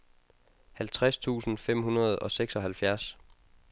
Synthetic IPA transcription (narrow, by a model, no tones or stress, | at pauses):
hælt͡sʰʁast͡sʰṵːsn̩fem̰ɦunɐð̞̩ˠɒ̽seɡ̥sɒ̽hælfjæɐs